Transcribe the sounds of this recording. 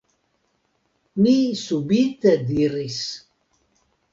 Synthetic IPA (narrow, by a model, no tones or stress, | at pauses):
niːsubit̪ɛd̪iɾis